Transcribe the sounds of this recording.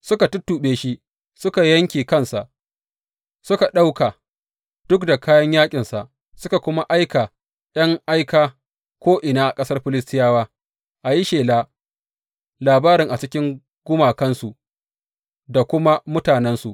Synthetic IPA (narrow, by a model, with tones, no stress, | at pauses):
sʊ˦ka˨tʊ˦tːuː˨ɓeː˦ʃi˦ | sʊ˦ka˨jɐ˦ŋkʲiː˨kɐ˦nsa˨ʔ | sʊ˦ka˨ɗa˦wka˨ | d̥ʊ˦kda˨kaː˦jɐ˦ɲjaː˦kʲʼɪ˨nsa˨ʔ | sʊ˦ka˨kʷʊ˦ma˦ʔa˦jka˨ | ɗɐ˦ŋʔa˦jkaː˨ | kʷoː˦ʔɪ˨naː˦ʔa˨kʼɐ˦sɐ˦rɸɪ˦lɪ˦s̬tɪ˦jaː˦waː˦ | ʔa˨ji˦ʃeː˨laː˦ | laː˨baː˦ɾɪ˨ŋʔa˨t͡ʃɪ˦kʲɪ˦ŋ | ɡ̥ʊ˦maː˨kɐ˦nsu˨ | da˨kʷʊ˦ma˦mʊ˦taː˨nɛ˦nsu˨ʔ